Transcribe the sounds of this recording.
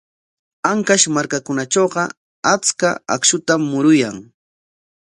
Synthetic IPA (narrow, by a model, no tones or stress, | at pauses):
aŋkaʃmaɾkakʊnat͡ʃoːɢɑ | at͡skaa̰kʃʊt̪amːʊɾʊjaŋ